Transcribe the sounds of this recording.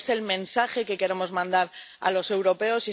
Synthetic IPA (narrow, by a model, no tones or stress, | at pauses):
se̞lmẽ̞nsaxe̞ke̞ke̞ɾe̞mo̞zmãnd̪aɾ | a̰lo̞se̞wɾo̞pe̞o̞si